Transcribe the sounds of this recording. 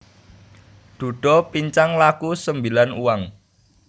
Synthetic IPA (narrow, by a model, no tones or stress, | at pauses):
d̪̥ṳɖ̥ɔ̤piɲt͡ʃaŋlakusəmbilanuwaŋ